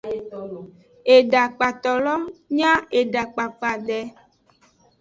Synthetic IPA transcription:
e˨ɖa˨k͡pa˨t̪ɔ˨lɔ˦ɲã˦e˨ɖa˨k͡pa˨k͡pa˨ɖɛ˨

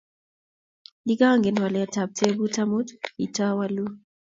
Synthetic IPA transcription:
li˦ɡa˦ŋɡe˨nwa˨lɛ˨a˨ta˨b̚tʰe˦bu˦ta˦mu˦ti˨ta˦wa˦lu˦

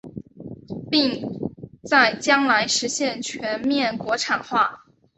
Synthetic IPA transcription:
pi˥˧ŋ | t͡sa˥˩ɪt͡ɕjɑ˥ŋla˧˥ɪʂɻ̩˧˥ɕjɛ˥˩nt͡ɕʰɥɛ˧˥nmjɛ˥˩nkwɔ˧˥ʈ͡ʂʰa˨˩nxwa˥˩

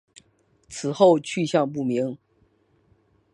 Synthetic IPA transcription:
t͡sʰɹ̩˨˩xo˥˧ʊt͡ɕʰy˥˧ɕjɑ˥˧ŋp̬u˥˩mi˧˥ŋ

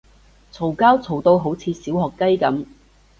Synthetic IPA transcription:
t͡sʰo˨˩wkaː˥wt͡sʰo˨˩wt̪o˧wɦo˨˥wt͡sʰiː˨˧siː˨˥wɦɔː˨kːɐ˥jkɐ˨˥m

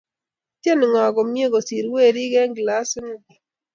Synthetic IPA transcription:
tje˦n˨ŋɔ˨ɡɔ˨mje˦ɡɔ˨si˨ɾwe˦˨ɾi˦ɡɛ˦ŋɡla˦sŋ˦˨

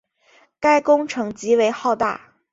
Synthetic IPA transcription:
ka˥ɪkʊ˥ŋʈ͡ʂʰɤ˧˥ŋt͡ɕi˧˥we˧˥ɪxɑ˥˧ʊt̪a̰˥˩

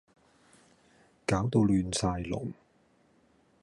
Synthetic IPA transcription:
kaː˨˥wt̪o˧wlyː˨˧nsaː˧jlʊ̰˨˩ŋ

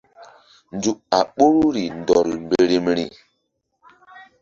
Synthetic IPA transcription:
n˦d͡zu˨ʔa˨ɓo˦ɾu˦ɾi˨ndɔ˨lmbe˨ɾe˨mɾi˨

